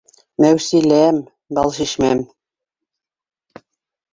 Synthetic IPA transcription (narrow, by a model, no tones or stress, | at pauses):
mæwsilæm | bɑlʃiʃmæm